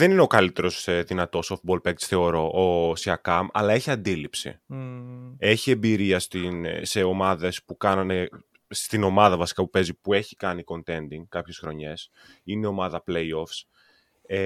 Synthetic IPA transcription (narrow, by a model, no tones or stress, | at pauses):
ðe̞nineokɐlit̪e̞ɾo̞sðinɐt̪o̞soft̪bo̞lpekt͡sθe̞o̞ɾo̞ʔosiɐkɐmɐ̰lɐe̞çiɐnd̪ilipsḭ | e̞çie̞mbiɾiɐst̪inse̞o̞mɐðe̞spukɐnɐne | st̪ino̞mɐðɐvɐsi̥kɐpupe̞zipue̞çi̥kɐniko̞nt̪e̞nd̪iŋɡkɐpçe̞sxɾo̞ɲe̞s | ineo̞mɐðɐplejo̞fs | e